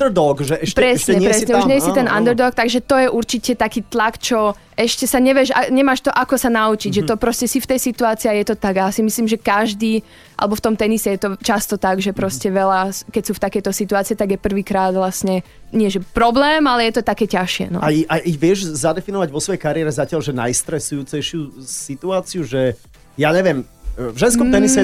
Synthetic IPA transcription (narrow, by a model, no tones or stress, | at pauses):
d̪ɔɡʒɛʔɛpɛɾɛsɲɛɾɾɛsɲɛuʒɲɛjsit̪ɛnʔa̰nd̪ɾd̪ɔk̚t̪aɡʒɛt̪ɔjɛʔuɾt͡ʃicɛt̪akiːt̪lakt͡ʃɔ | ɛʃcɛsaɲɛʋjɛʒa̰ɲɛmaːʃt̪ɔʔakɔsanaut͡ʃiɟʒɛt̪ɔpɾɔscɛsift̪ɛjsit̪uaːt͡siːajɛt̪ɔt̪aɡasimisliːmʒɛkaʒd̪iː | ʔa̰lɛbɔft̪ɔmt̪ɛnisɛjɛt̪ɔt͡ʃast̪ɔt̪aɡʒɛpɾɔscɛʋɛlaskɛcsuːft̪akɛjt̪ɔsit̪uaːt͡siɛt̪aɡjɛpr̩ʋiːkɾaːd̪ʋlasɲɛ | ɲɪɛʒɛpɾɔblɛːmalɛjɛt̪ɔt̪akɛːcaʃɪɛ̰nɔ̰aiʔaiʋɪɛʒzad̪ɛfinɔʋaɟʋɔsʋɔjɛjkaɾɪɛɾɛzacɪalʒɛna̰jst̪ɾɛsujuːt͡sɛjʃɪusit̪uaːt͡siuʒɛ | jaːɲɛʋɪɛm | vʒɛnskɔmt̪ɛnisɛ